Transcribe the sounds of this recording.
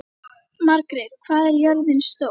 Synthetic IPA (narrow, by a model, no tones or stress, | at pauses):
maɾkɾɪðkʰvaːðɛɾjœɾðɪnst̪o